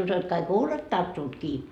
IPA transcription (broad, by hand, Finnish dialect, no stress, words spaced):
uso et kɑik huːlet tɑrtːuːt kiː